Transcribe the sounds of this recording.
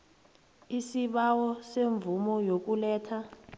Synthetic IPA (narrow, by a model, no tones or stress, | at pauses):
isiɓawɔseɱvumɔjok̬ulɛːtʰa